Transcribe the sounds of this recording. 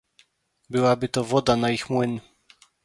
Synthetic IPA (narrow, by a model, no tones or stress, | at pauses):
bɘwabɘt̪ɔvɔd̪anaixmwɘn